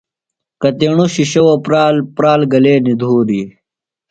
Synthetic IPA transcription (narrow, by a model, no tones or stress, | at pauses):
kɐt̪eɳuɕiɕɐwopɾaːlpɾaːlɡɐleːnid̪ʱuːɾi